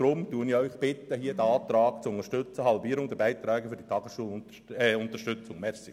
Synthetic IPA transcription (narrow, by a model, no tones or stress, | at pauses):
ɾʊmtuəniœʏχb̥ɪt̪ːəɦiəd̪əɑːt̪ɾɑːkt͡sʊnəʃtøt͡səɦɑlbiːəɾʊŋd̪əbæɪt̪ɾɛːɡəfʏɾd̥it̪ʰɑɡəsʃuəl | ʊnt̪əʃtʏt͡sʊŋmɛɾsɪ